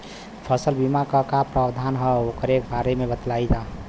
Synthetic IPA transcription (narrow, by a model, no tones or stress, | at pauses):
pʰəsəlbimakəkapɾabd̪ʱanɦəokəɾek̚baɾemebət̪laid͡ʒa